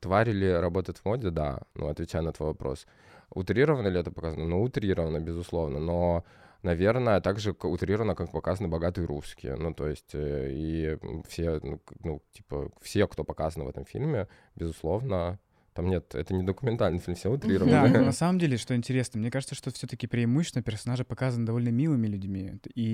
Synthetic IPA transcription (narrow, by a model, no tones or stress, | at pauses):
t̪vaɾʲɪlʲɪɾɐbo̞t̪əjɪt̪vmo̞dʲɪd̪a̰nṵɐt̪vʲɪt͡ɕæjnət̪vo̞jvɐpɾo̞̰s | ʊ̰t̪ɾʲiɾəvənəlʲɪɛt̪əpɐkazənənoʊt̪ɾʲiɾəvənəbʲɪzʊslˠo̞vnəno̞ | nɐvʲe̞rnəjət̪aɡʐɨkʊt̪ɾʲiɾəvənəkakpɐkazənəbɐɡat̪ɨjəɾuskʲɪ̰jə̰nut̪o̞jɪsʲtʲifsʲenunṵtʲi̥pə̰fsʲekt̪o̞pɐkazənvɛ̰t̪əmfʲḭlʲmʲɪ | bʲɪzʊslˠo̞vnə | t̪amnʲet̪ɛ̰t̪ənʲɪd̪əkʊmʲɪnt̪alʲnɨifilmfsʲeʊt̪ɾʲiɾəvəd̪anɐsaməmdʲelʲɪʂt̪oɪnʲtʲɪɾʲe̞snəmnʲekaʐɨt̪səʂt̪ofsʲɵt̪əkʲɪpɾʲɪːmuɕːɪsnəpʲɪrsɐnaʐɨpɐkazənəd̪ɐvo̞lʲnəmʲilˠɨmʲɪlʲʉdʲmʲii